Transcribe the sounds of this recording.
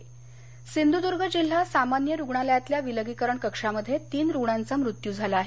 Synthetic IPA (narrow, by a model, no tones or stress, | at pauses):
sind̪ud̪uɾɡʱəd͡ʑil̤ːasamanjəɾuɡɳaləjat̪ljaʋiləɡikəɾəɳkəkʂaməd̪ʱːjet̪iːnɾuɡɳant͡samɾut̪jud͡zʱalaːɦe